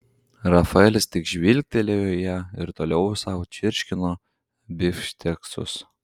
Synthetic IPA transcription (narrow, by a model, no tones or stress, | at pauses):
ɾɐfɐɛlʲɪst̪ʲɪkʒʲʋʲilʲk̚ʲt̪ʲɛlʲejoːjɛɪɾt̪oːlʲɛʊsɑʊt͡ʃʲɪɾʲʃʲkʲɪnoː | bʲɪfʲʃʲt̪ʲɛkst̪ʊ̰s